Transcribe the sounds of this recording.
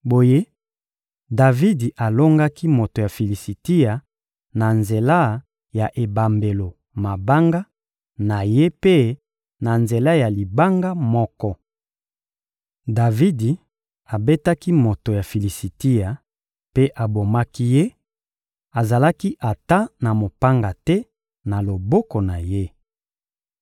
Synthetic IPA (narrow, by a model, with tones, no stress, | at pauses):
bo˨je˦ | da˨vi˦di˨ʔa˨lo˦ŋɡa˦ki˦mo˨to˨ja˨fi˨li˨si˨ti˦a˨ | na˨nze˨la˦ | ja˨ʔe˨ba˨mbe˨lo˨ | ma˨ba˦ŋɡa˦ | na˨je˦pe˦ | na˨nze˨la˦ja˨li˨ba˦ŋɡa˦mɔ˦kɔ˦ | da˨vi˦di˨ | a˨be˦ta˦ki˦mo˨to˨ja˨fi˨li˨si˨ti˦ja˨ | pe˦ʔa˨bo˨ma˦ki˦je˦ | a˨za˨la˦ki˦ʔa˨ta˦na˨mo˨pa˦ŋɡa˨tɛ˦ | na˨lo˨bɔ˦ko˨na˨je˦